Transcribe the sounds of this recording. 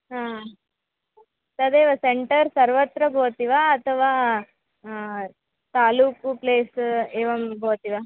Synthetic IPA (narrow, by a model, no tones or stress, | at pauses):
ɦaː | t̪ɐd̪eːʋɐseɳʈɐɾsɐɾʋɐt̪ɾɐboːt̪iʋaːɐt̪ʰɐʋaː | t̪aːluːkpleːseːʋɐmbʱoːt̪iʋaː